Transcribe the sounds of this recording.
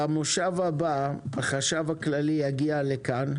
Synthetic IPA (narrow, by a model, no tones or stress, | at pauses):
amoʃavabaaχaʃavaklalijaɡialekan